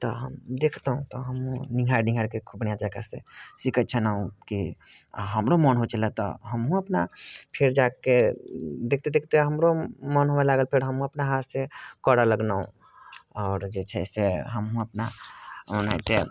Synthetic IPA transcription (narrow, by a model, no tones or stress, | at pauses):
t̪ɔɦə̰md̪ekʰt̪ɦũt̪ɔɦəmɦũniɡʱaɾnĩɡʱajɾkekʰubnijãd͡ʒakasḛsikət̪̚t͡ʃʰənaɦũki | ɦəmɾomɔnɦot͡ʃəlɛt̪ɔ̰ɦəmɦũəpnapʰeɾd͡ʒaked̪ekʰt̪ed̪ekʰt̪eɦəmɾomɔnɦomelaɡəlpʰeɾɦəmɦũəpnaɦat̪sekɔɽaləɡnaṵ̃ | ɔːɾd͡ʒet͡ʃʰɛseɦəmɦũəpnaməna̰jt̪e